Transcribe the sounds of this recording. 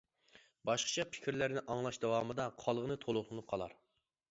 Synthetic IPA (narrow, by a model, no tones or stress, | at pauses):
bɑʃqʰə̥t͡ʃʰɑpʰɪ̥kʲɾlæɾnɪʔɑŋlˠɑʃd̪ɑwɑmɨd̪ɑqʰɑlˠʁənɨt̪ʰolˠʊlˠɨnɨp̚qʰɑlˠɑ̰ɾ